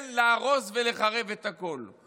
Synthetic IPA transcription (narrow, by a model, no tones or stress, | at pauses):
nleaʁo̞sveleχaʁe̞vet̪ako̞l